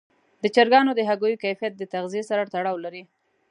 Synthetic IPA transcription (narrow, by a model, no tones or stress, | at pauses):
d̪ət͡ʃaɾɡɑnod̪əɦaɡojokajfijat̪̚d̪ət̪aɣziesaɾat̪aɽɑwlaɾi